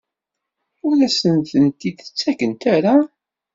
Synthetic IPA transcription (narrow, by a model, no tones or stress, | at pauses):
ʊɾæsənt̪ənt̪iðə̥t͡sːækənt̪æɾa